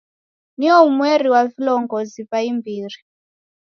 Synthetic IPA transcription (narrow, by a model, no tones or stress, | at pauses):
niɔumweɾiwavilɔŋɡɔzipaimbiːri